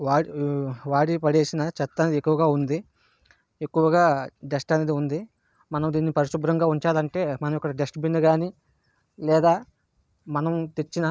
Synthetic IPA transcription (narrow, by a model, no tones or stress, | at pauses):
ʋaːiʋaːɽipɐɽeːsinɐt͡ʃɛt̪ːɐned̪iekːuʋɐɡaːund̪i | ekːuʋɐɡaːɖesʈɐneːd̪iund̪i | mɐnɐmd̪iːnːipɐɾiʃubɾɐŋɡaːuɲt͡ʃaːlɐɳʈe̞ːmɐnɐmɔkːɐɽiɖesʈbinːɐɡaːni | lɛːd̪aː | mɐnɐmt̪e̞t͡ʃːinɐ